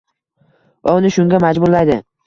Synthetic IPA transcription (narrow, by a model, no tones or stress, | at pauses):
vaʊnɪʃʊŋɡʲamad͡ʒbʊɾlajd̪ɪ